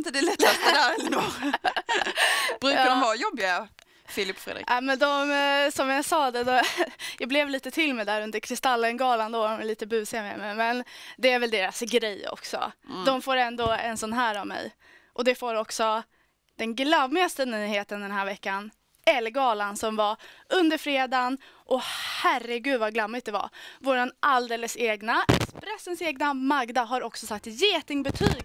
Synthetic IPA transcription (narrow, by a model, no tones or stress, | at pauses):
ɪnt̪əd̪ɛlɛt̪ːast̪əd̪æɾɛlːənu | b̥ɾʉadɔmvɑɾjɔbːɪa | fɪlɪpfɾḛd̪ɾɪ̰ʔamɛnd̪ɔmsɔmjasɑːd̪ɛd̪ɔjɑːblɛvliːt̪ət̪ʰɪlmɛd̪æːɾɵnd̪əɾkʰɾɪst̪alːənɡɑːland̪oːɔmɛliːt̪əbʉ̟ːsɪamɛ̰mɛmɛnd̪ɛæɾvɛld̪eːɾasɡɾɛjːɔ̰ksɔ̰d̪ɔmfoːɾɛnd̪oːɛ̰nsɔnːɦæːɾavmɛ̰j | ʔɔd̪ɛfoːɾɔksɔ | d̪̥ɛnɡlammːɪast̪ənyːheːt̪ənd̪ɛnɦæːɾvɛkːan | ɛlɡɑːlansɔmvaɵnd̪əɾfɾeːd̪anʔɔhærɛɡʉ̟ːd̪vaɡlamːɪt̪̚d̪ɛva̰voːɾanʔald̪eːləseːɡnaɛ̰kspɾɛsːənseːɡnamaɡd̪aɦaɾɔksɔsak̚t̪jeːt̪ɪŋbɛt̪ʰyːɡ